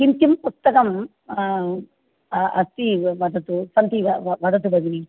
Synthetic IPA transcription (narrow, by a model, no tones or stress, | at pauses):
kint̪impust̪ɐkɐm | ɐst̪iʋɐd̪ʱɐt̪usɐnt̪iʋɐʋɐd̪ʱɐt̪̬ubɐɡini